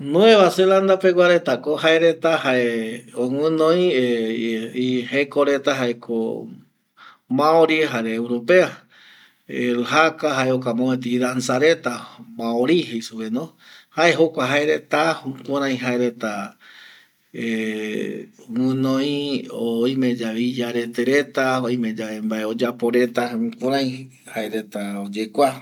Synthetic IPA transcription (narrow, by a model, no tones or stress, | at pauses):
nũeβaseland̪apeɡʷwaɾet̪akohaeɾet̪ahaeõŋɨ̃nõj̃ | ihekoɾet̪aɦaekʰo̰ | mãoɾieɦaɾeːwɾopea | eɾɨɦakaɦaeokamõet̪iɾansaɾe̞t̪amãoɾihejsuβenõ | haeɦokʷaɦaeɾet̪ahukʷuɾãj̃ɦaeɾet̪a | e | mɨ̃nõĩoj̃mẽd͡ʒaβid͡ʒaɾe̞t̪eɾe̞t̪aoj̃mẽd͡ʒaembaeod͡ʒapoɾe̞t̪akũɾãj̃ | haeɾet̪aod͡ʒekʷa